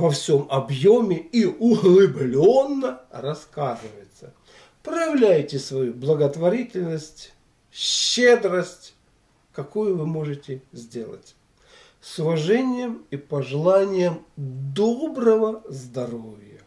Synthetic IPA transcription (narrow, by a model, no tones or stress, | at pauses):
vɐfsʲo̞mɐbjomʲɪiʊlˠɨblʲonːərɐskazɨvəjɪt̪sə | pɾəjɪvlʲæjtʲɪsvɐjublˠəɡət̪vɐɾʲitʲɪlʲnəsʲtʲ | ɕːed̪ɾəsʲtʲ | kɐkujʊvɨmo̞ʐɨtʲɪzʲdʲe̞lˠə̰tʲ | sʊvɐʐɛnʲɪjəmipəʐɨlˠanʲɪjəmd̪obɾəvəzd̪ɐrovʲjə